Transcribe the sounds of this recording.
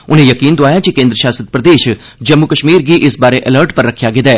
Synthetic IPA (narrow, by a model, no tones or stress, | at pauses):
ʊnẽjəkiːnd̪oaːjat͡ʃikẽːnd̪ɾəʃaːsət̪̚pɾəd̪eːʃ | d͡ʒɐmːukəʃmiːɾɡiʔɪsbaːɾeʔələɾʈpɐɾːəkʰjaɡed̪ɛː